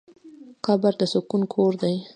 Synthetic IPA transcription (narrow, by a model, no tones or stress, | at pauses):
kɑbaɾd̪əsʊkunkʰoɾd̪aj